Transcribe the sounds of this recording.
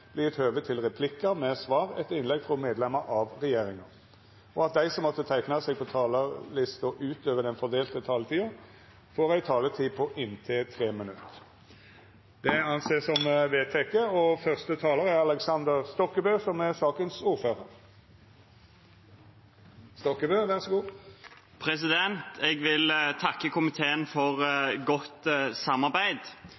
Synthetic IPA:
b̥liːɛt̪høːʋət̪ʰɪlʁɛpʰlɪkːəmɛsʋɑːʁɛt̪ɪnlɛɡfʁɔmeːd̪lɛməɾʔɑʋʁɛjeːʁɪŋɑ | ɔɑt̪̚d̪æɪsɔmːɔt̪ːət̪ʰæɪknɑsɛɡ̚pʰɔt̪ʰɑːləlɪst̪ɔʔʉːt̪øːʋəd̪ɛnfɔʁd̪eːlt̪ət̪ʰɑːlət̪ʰiːɑ | foːʁæɪt̪ʰɑːlət̪ʰiːpʰɔʔɪnt̪ʰeːt̪ʰʁeːmɪnʉt̪ː | d̪ɛɑnseːsɔmʋeːt̪ʰɛkːəɔfœʁst̪ət̪ʰɑːləʁæʁɑləksɑnd̪əʁst̪ɔkːəbøːsɔmæʁsɑːkənsuːʁføːʁəʁ | st̪ɔkːəbøːʋæʁsɔɡuː | pʰɾɛs̬ɪd̪ɛnt̪ʰɛɡʋɪlt̪ʰɑkːəkʊmɪt̪ʰeːənfɔʁɡɔt̪sɑmːɑʁbæɪd̪

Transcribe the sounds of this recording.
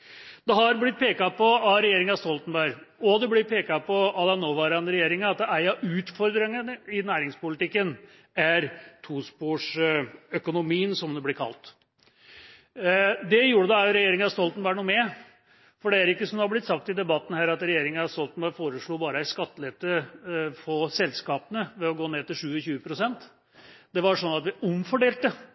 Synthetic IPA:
d̪ɛɦɑɾblɪt̪̚ːpʰeːkɑpʰɔɑɾɛjeːɾɪŋɑst̪ɔlt̪ən̩bæɾɔd̪ɛblɪpʰeːkɑpʰɔɑd̪ɛnːoːʋɑːɾɑnɾɛjeːɾɪŋɑɑt̪̚d̪ɛʔæɪɑʔʉːt̪fɔɾd̪ɾəŋənəɪnæːɾɪŋspʊlɪt̪ɪkːən | æɾt̪ʰuːspuːʂœkʊnʊmiːənsɔmd̪ɛblɪɾkʰɑ̰lt̪ | d̪ɛjuːɖəd̪ɑæɾjʊɾɛjeːɾɪŋɑst̪ɔlt̪n̩bɑːɾɳuːmɛ | fɔɖɛæɾɪkːəsɔmd̪ɛɑblɪt̪sɑk̚t̪ɪd̪ɛbɑt̪ːn̩hæːɾɑt̪ɾɛjeːɾɪŋənɑst̪ɔlt̪n̩bɑɾfoːɾəʂɭuːbɑːɾəæskɑt̪ːəlɛt̪əfɔsɛlskɑːpənəʋɛɔɡoːneːt̪ːɪlʂʉːəçʉːəpʰɾʊsɛnt̪ | d̪ɛʋɑʂɔnːɑt̪ʋɪɔmfɔɖeːlt̪ə

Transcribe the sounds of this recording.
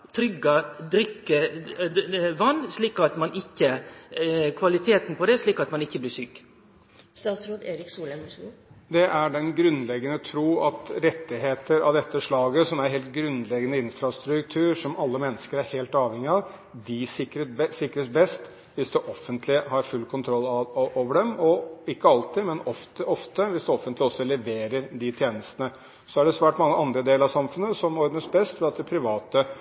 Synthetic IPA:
t̪ʰɾʏɡɑd̪ɾʏkːə | ʋɑnːsliːkɑt̪mɑnʔɪçːə | kʰʋɑlɪt̪ʰeːt̪n̩pʰɔd̪ɛʂɭiːkɑt̪mɑnɪçːəblɪʂyːk | st̪ɑːt̪sɾut̪eːɾɪksuːlɛnusd̪ɛʔæɖɛnɡɾʉnːlɛɡːənət̪ʰɾuːɑt̪ɾɛt̪ːɪɦeːt̪ʰəɾɑ̰ʋd̪ɛt̪ːəʂlɑːɡəsɔmæɾɦeːlt̪̚ɡɾʉnlɛɡənəɪnfɾɑst̪ɾʉk̚t̪ʰʉːɾʂɔmɑlːəmɛnːəskəɾæɾheːlt̪ɑːʋhɛŋɪɑ | d̪ɪsɪkːɾəsɪkːɾəsbɛst̪ | ʋɪsd̪ɛʔɔfːənt̪ʰlɪhɑɾfʉlkʰʊnt̪ʰɾɔlːɑʔoːʋəɖɛmɔɪkːəɑlt̪ɪmɛnɔft̪əɔft̪əʋɪsd̪ɛɔfənt̪lɪɔsːɔlɛʋeːɾəɾd̪ɪt̪ʰjeːnəst̪ənə | sɔæɖɛsʋæːʈmɑŋːəʔɑnd̪ɾəd̪eːləɾɑʋsɑmfʉnːəsɔmɔɾɡənsbɛst̪fɛɑt̪̚d̪ɛpʰɾɪʋɑːt̪ə

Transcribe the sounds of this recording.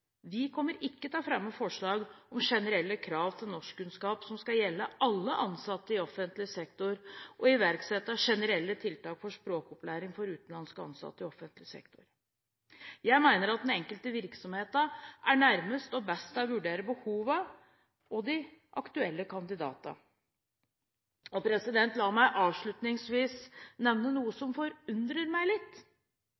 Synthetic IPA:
ʋɪkʰɔmːəɾɪkːət̪ʰɑːfɾɑmːəfɔʂɭɑːɡɔmʂɛnəɾɛlːəkʰɾɑːʋt̪ʰɪlnɔʂkkʉnskɑːpsɔmskɑljɛlːəʔɑlːəʔɑnsɑt̪ːəɪɔfːənt̪lɪəsɛkt̪ʊɾʔɔɪʋæɾksɛt̪ːəʂɛnəɾɛlːət̪ʰɪlt̪ɑːkfɔʂpɾoːkɔplæːɾɪŋfɔɾʉːt̪n̩lɑnskəɑ̰nsɑ̰t̪ːəɪɔfənt̪lɪsɛ̰kt̪ʊɾ | jæɪmæɪnəɾɑt̪̚d̪ɛnɛŋkəlt̪əʋɪɾksɔmheːt̪ɑʔæɳæɾməst̪ɔbɛst̪ɑʋʉɖeːɾəbəhuːʋə | ɔd̪ɪʔɑkt̪ʉɛlːəkʰɑnd̪ɪd̪ɑ̰ːt̪ə̰ | ɔpʰɾɛsɪd̪ɛnt̪lɑːmæɪʔɑːʋʂɭʉt̪nɪŋsʋiːsnɛʋnənuːəsɔmfɔɾʉnd̪ɾəɾmæɪlɪt̪ː

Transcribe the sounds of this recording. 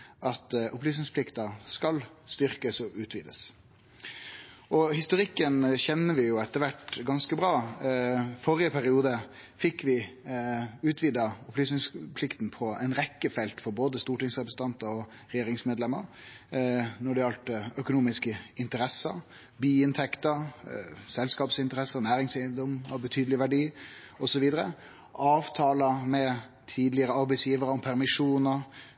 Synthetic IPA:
ʔɑt̪ʔʊplyːsnɪŋspʰlɪkt̪ɑskɑlst̪ʏʁkəsɔʉːt̪ʰʋḭːd̪ə̰s | ɔhɪst̪ʊɾɪkːənçɛnːəʋɪjʊɛt̪ːəɾʋæʈɡɑnskəbʁɑː | fɔɾɪəpʰæɾɪuːd̪ə | fɪkʋɪ | ʉːt̪ʰʋiːd̪ɑʊplyːsnɪŋspʰlɪkt̪n̩pʰɔɛɪnɾɛkːəfɛlt̪fɔɾboːd̪əst̪uːʈɪŋsʁɛpɾəsə̥nt̪ɑnt̪əɾɔ | ɾɛjeːɾɪŋsmeːd̪lɛmːəɾ | nɔɖɛɑlt̪œkʊnuːmɪskəɪnt̪əɾɛsːəɾ | biːɪnt̪ʰɛkt̪əɾsɛlskɑːpsɪnt̪əɾɛsəɾnæːɾɪŋsæɪnd̪ɔmɑʋbət̪ʰyːd̪əlɪʋæɖiː | ɔsɔʋiːd̪əʁə | ʔɑːʋt̪ʰɑːlɑmɛ | t̪ʰiːd̪lɪəɾəɑɾbɛɪsjiːʋəɾəɔmpʰæʁmɪʂuːnəɾ

